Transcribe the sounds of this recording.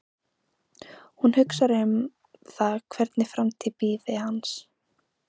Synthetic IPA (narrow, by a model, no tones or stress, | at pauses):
hunhʏksaɾʏm | θaðkʰvɛɾt̪nɪfɾamt̪ʰɪpiːðɪhans